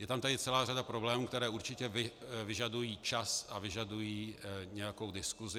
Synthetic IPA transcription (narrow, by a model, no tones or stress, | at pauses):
jɛt̪amt̪adɪt͡sɛlaːradapɾo̞blɛːmuːkt̪ɛɾɛːʔuɾt͡ʃɪcɛvɪvɪʒadujiːt͡ʃasʔavɪʒadujiːɲɛjako̞wdɪskuzɪ